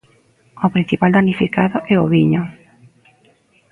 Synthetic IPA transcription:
opɾin̟θipald̪anifikaðoʔɛoβiɲo

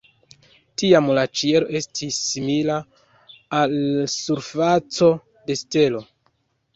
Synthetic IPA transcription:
tiamlat͡ʃie̞ɾo̞ʔe̞stʰisːimilaː | lsuɾfat͡so̞ | de̞ste̞lo̞

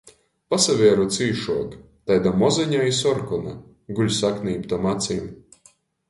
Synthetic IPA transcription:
pasavʲiɛɾɔt̪siːʃuɔɡ | t̪ajd̪amɔziɲaisɔɾkɔna | ɡuʎʲsakniːbt̪ɔmat̪sʲim

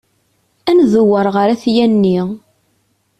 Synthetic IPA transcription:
ænðʊwəɾˤʁəɾæθjænːi

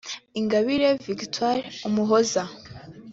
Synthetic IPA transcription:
iŋɡaβiɾeviɡitwaɾumuɦoza

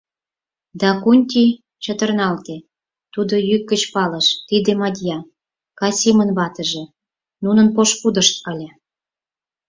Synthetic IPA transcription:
d̪ɑkunʲt̪ʲi | t͡ɕət̪ərnɑlt̪e | t̪ud̪ojykːət͡ɕpɑləʃt̪id̪emɑd̪ʲjɑ | kɑsʲimənβɑt̪ə̆ʒĕ | nunənpoʃpud̪əʃt̪̚əlʲe

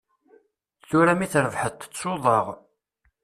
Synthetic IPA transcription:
θuɾæmiθɾəvħət̪ːə̥t͡sːoðˤəʁ

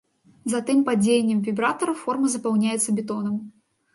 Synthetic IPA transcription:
zɐt̪ɨmpad͡zʲejenʲːɛmvʲibɾat̪ɐɾɐfɔrmɐzɐpawnʲajɛt̪sːɐbʲɛt̪ɔnɐm

